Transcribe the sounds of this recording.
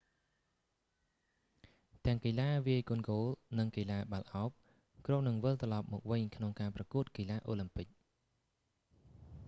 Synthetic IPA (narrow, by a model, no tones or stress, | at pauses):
t̪ɛ̆əŋkilaːʋiəjkunɡoːlnɨŋkəlaːɓalʔaɔp̚ | kronɨŋʋɨlt̪rɑlɑp̚mɔ̰ːk̚ʋɨɲkʰnoŋkaːprɑkuət̪̚kilaːʔoːlɨmpɨk̚